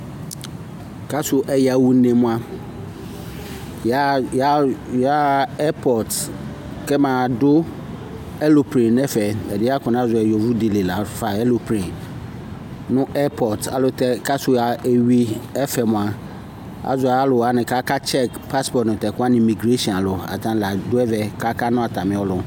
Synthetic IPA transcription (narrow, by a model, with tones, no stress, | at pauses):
kʰa˦sʊ˨ʔɛ˨ja˨wu˨˦nẽ˨mʊ̃˦a˨ | jja˦ja˦ɛ˦pʰɔ˨t | kɛ˦mã˨dʊ˦ | ɛ˦lo˨pʰɾĩ˨nɛ˦fɛ˨ɛ˨dɪ˦a˦kʰʊ̃˨ñ˦a˦zʊ˨ɛ˨jɔ˨vu˦de˨le˨la˨˦fa˨ɛ˦lo˨pʰɾĩ˨n | nʊ̃˦ʔɛ˦pʰɔ˨ta̰˨lʊ˨tɛ˨ka˦sʊ˨a˨e˨ɥi˦ɛ˦fɛ˨mʊ̃˨a˨ | a̰˨zʊ˨ɛ˨a˦lʊ˨wa˦nɪ̃˨ka˦ka˦t͡ʃʰɛ˦˨kpʰa˦spɔ˨tnʊ̃˨tɛ˨kʊ˦a˦nɪ̃˨mi˨ɡɾe˦ʃi˦ɔ̃˨na˨lʊ˨a̰˨tʰã˦n˨la˨dʊ˦ɛ˦vɛ˨kʰa˦ka˦nʊ̃˦a˨tʰa˨mɪ̃˨˦ɔ˦lʊ˨˦